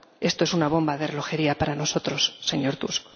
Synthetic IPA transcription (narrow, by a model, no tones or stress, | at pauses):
e̞st̪oesunaβ̞o̞mbaðe̞relo̞xe̞ɾiapaɾano̞so̞t̪ɾo̞sːe̞ɲo̞ɾt̪usk